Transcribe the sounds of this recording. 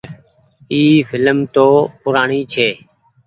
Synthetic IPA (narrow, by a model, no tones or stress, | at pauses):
iːfɪləmt̪oːpʊɾaːɳiːt͡ʃʰeː